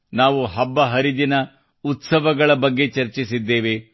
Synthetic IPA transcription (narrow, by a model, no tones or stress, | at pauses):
naːʋuɦɐbːɐɦɐɾid̪inɐ | ut̪sɐʋɐɡɐɭɐbɐɡːe̞t͡ʃɐɾt͡ʃisid̪ːe̞ːʋe̞